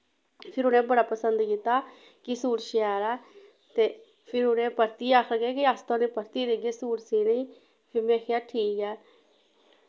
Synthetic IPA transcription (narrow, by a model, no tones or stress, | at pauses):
pʰɪɾʊnẽːbəɽaːpəsənd̪kiːt̪ːaː | kɪsuːɾʃɛːɾɛː | t̪eː | pʰɪɾʊnẽːpəɾt̪iːaːkʰɾəɡeːkɪaːst̪ãnẽːpəɾt̪iːɾeɡeːsuːɾsiːniː | pʰɪɾmẽːkʰejaːʈʰiːkɛː